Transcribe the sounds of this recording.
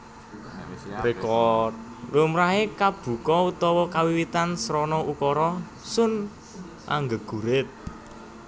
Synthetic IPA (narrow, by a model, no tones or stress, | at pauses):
rekɔt̪̚lumɾaɦekab̥ṳkɔut̪ɔwɔkawiwit̪ansɾɔnɔʔukɔɾɔ | sʊn | ʔa̰ŋɡəɡ̥ṳɾɪt̪̚